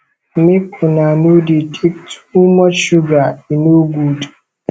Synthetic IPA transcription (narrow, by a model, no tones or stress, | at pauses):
mɪkʰʊnanuditʰek̚tu̥mɔʃuɡainoɡudu̥